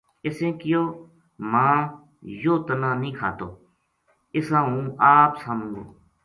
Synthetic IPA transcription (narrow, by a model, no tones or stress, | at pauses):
ɪsẽːkɪjoː | mãː | joːt̪ənãːnĩːkʰa̰ːt̪oː | ɪsãːũːaːpsaːmũːɡo̰ː